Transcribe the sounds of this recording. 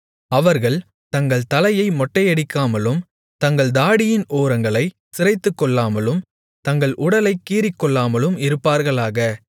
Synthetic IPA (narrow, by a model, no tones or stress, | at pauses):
ɐʋɐɾɣɐɭ | t̪ɐŋɡɐɭt̪ɐlɐjɐɪmɔʈːɐjɐɽɪkːaːmɐlɯm | t̪ɐŋɡɐɭd̪aːɽɪjɪnʔoːɾɐŋɡɐɭɐɪ | sɪrɐɪt̪ːɯkːɔɭːaːmɐlɯm | t̪ɐŋɡɐɭʔʊɽɐlɐɪkːiːɾɪkːɔɭːaːmɐlɯmɪɾɯpːaːɾɣɐɭaːɣɐ